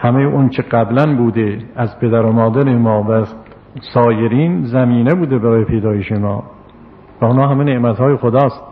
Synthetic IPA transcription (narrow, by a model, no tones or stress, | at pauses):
hæmejeʔont͡ʃʰeɢæblænbuːd̪eæzpʰe̞d̪æɾomɒːd̪æɾemɒːvæ | sɒːjeɾiːnzæmiːnebuːd̪ebæɾɒːjepʰejd̪ɒːjeʃemɒ̰ː | væonhɒːɦæmeneʔmæt̪hɒːjexod̪ɒːst̪